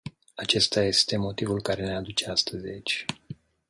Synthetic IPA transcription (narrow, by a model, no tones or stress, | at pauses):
at͡ʃe̞st̪aje̞st̪e̞mo̞t̪ivulkaɾe̞nead̪ut͡ʃe̞ast̪əzʲit͡ʃʲ